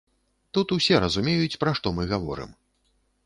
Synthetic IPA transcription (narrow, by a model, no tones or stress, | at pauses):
t̪ut̪usʲɛɾɐzumʲejut͡sʲpɾaʂt̪ɔmɨɣavɔ̰ɾɨ̰m